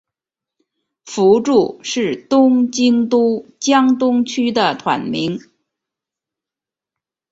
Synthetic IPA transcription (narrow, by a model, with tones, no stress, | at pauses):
fu˧˥ʈ͡ʂu˥˩ʂɻ̩˥˩t̪ʊ˥ŋt͡ɕi˥ŋt̪u˥t͡ɕjɑ˥ŋt̪ʊ˥ŋt͡ɕʰy˥d̪ə˨t̪ʰwa̰˨˩nmi˧˥ŋ